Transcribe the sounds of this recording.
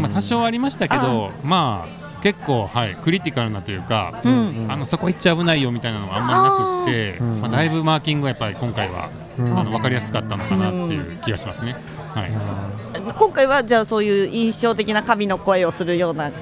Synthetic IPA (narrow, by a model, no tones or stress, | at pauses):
mat̪aɕo̞ːβaɾʲimaɕi̥t̪ake̞d̪o̞maː | ke̞kːo̞ːhaikɯ̟ɾʲit̪ʲikaɾɯ̟nat̪o̞jɯ̟ːkã̰ano̞so̞koitt͡ɕiabɯ̟naijo̞mʲit̪ainano̞ɡãmːaɾʲinakɯ̟t̪ːe̞mad̪aibɯ̟maːkʲĩŋɡɯajapːaɾʲikõ̞ŋkaiβa̰ | ano̞β̞akaɾʲijasɨ̥kat̪ːano̞kanat̪ːe̞jɯ̟̰ːkʲiɡaɕimasɨne̞ | haḭ | kõ̞ŋkaiβad͡ʑaːso̞ːjɯ̟ːĩɰ̃ɕo̞ːt̪e̞kʲinakamʲino̞ko̞e̞o̞sɨɾɯ̟jo̞ːna